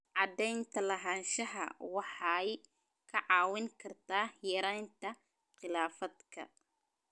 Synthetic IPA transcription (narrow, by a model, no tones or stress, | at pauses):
ʕɑd̪ɛjnt̪ʰɐlɐɦaːnʃɐɦɐ̰wɑħɑj | kʰɐʕɑːwɪŋkʰɐrt̪ʰaːjɐɾɛjnt̪ʰɐ | qɪlaːfɐd̪kʰɐ̰